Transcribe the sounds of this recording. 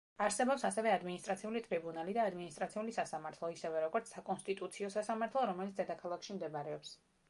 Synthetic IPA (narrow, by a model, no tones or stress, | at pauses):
aɾsɛbɔpsasɛvɛad̪minist̪ʼɾat̪sʰiulit̪ʼɾibunalid̪aːd̪minist̪ʼɾat̪sʰiulisasamaɾt̪ʰlˠɔisɛvɛɾɔɡɔɾt̪sʰsakʼɔnst̪ʼit̪ʼut̪sʰiɔsasamaɾt̪ʰlˠɔɾɔmɛlit̪sd̪ɛd̪akʰalˠakʰʃimd̪ɛbaɾɛɔps